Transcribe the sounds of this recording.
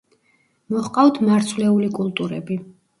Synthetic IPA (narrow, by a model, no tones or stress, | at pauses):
mɔχqʼawt̪ʰmaɾt̪sʰvlɛulikʼulˠt̪ʼuɾɛ̰bi